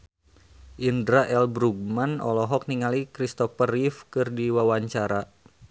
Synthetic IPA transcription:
ʔindɾaʔɛlbɾuɡ̚manɔ̰lɔɦɔk̚niŋalikɾist̪ɔfərifkɨrdiwawaɲt͡ʃaɾa

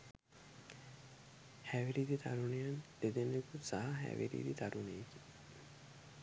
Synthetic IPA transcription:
hæʋiɾiːd̪it̪aɾunejand̪ed̪enekusaɦɐɦæ̰ʋḭɾḭːd̪it̪aɾunejeki

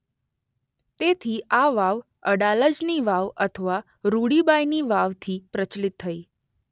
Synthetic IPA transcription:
t̪et̪ʰiʔaʋaʋ | əɽaləd͡ʒniʋaʋət̪ʰəʋa | ɾuɽibajniʋaʋt̪ʰipɾət͡ʃlit̪ʰːəi

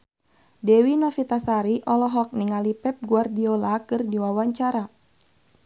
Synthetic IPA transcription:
dɛwinɔfit̪asaɾiʔɔlɔɦɔk̚niŋalipɛp̚ɡuardiolakɨrdiwawaɲt͡ʃaɾa

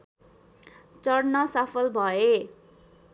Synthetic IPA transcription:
t͡sʌrnʌsapʰʌlbʱʌe

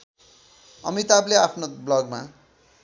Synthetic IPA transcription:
ʌmit̪ableapʰnoblʌɡma

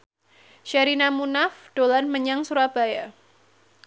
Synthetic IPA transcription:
ʃaɾinamunafd̥olanməɲaŋsuɾab̥aja

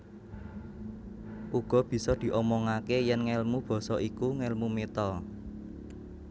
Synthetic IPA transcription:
ʔuɡ̥ɔ̤b̥i̤sɔd̪̥i̤ʔɔmɔŋakejɛnŋɛlmub̥ɔ̤sɔʔikuŋɛlmumet̪ɔ

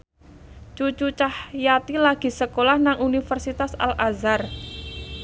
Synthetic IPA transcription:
t͡ʃut͡ʃut͡ʃahjat̪ilaɡ̥i̤səkolahnaŋunifərsit̪asa̰lʔazar

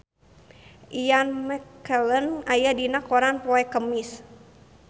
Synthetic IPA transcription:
ʔijanmɛkːələnajadinakoɾanpɔɛkəmɪs

